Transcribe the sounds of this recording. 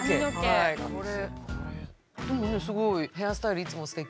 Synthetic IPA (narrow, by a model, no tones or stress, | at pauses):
eokaekoɾe | d̪emonesɨɡo̞ihe̞asɨ̥t̪aiɾɯit͡sɨmo̞sɨ̥t̪e̞k